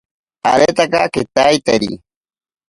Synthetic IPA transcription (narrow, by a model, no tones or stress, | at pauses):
a̰ɾet̪akaket̪ajt̪eɾḭ